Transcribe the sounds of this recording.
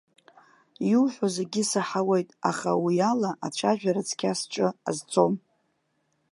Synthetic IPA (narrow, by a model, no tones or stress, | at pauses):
juwħʷᶣozeɡʲɪsaħawe̞jtʼa̰χa̰wialaʔaʈ͡ʂʷʰaʒᶣaɾat͡sʰkʲʰasʈ͡ʂʼɨa̰zt͡sʰʼo̞m